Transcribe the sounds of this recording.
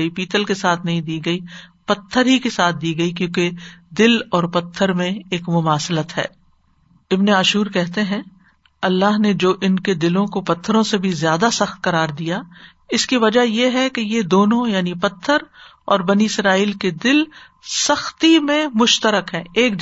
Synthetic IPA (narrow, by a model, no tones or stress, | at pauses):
ipiːt̪əlkesaːt̪̚ʰnɐɦĩd̪iːɡɐipɐt̪ʰːəɾɦikesaːt̪̚ʰd̪iːɡɐikjõːked̪ɪlɔːɾpɐt̪ʰːəɾmẽeːkmʊmaːslət̪ɦɛ̰ː | ɪbneaːʃuːɾkɛɦt̪eɦɛ̃ | ɐlːaːɦned͡ʒoːʔɪnked̪ɪlõkopɐt̪ʰːəɾõsebʱizjaːd̪asɐxt̪̚qɐɾaːɾd̪ija | ɪskiʋɐd͡ʒajeɦɛkejed̪oːnõjaːnipɐt̪ʰːəɾ | ɔːɾbɐniɪsɾaːiːlked̪ɪl | sɐxt̪imẽmʊʃt̪əɾəkɦɛ̃ːeːk̚